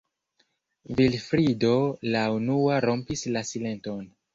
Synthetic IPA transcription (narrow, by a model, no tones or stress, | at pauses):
vilfɾido̞launuaɾo̞mpislasile̞nto̞n